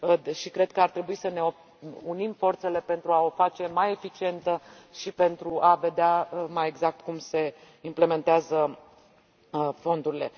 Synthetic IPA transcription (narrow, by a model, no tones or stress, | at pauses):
ʃikɾe̞d̪̥̚kəart̪ɾe̞buisəne̞o | unimfo̞rt̪se̞le̞pe̞nt̪ɾuao̞fat͡ʃe̞maje̞fit͡ʃie̞nt̪ə | ʃipe̞nt̪ɾuʔave̞d̪eamaje̞ɡzak̚t̪kumse̞ | imple̞me̞nt̪eazə | fo̞nd̪uɾile̞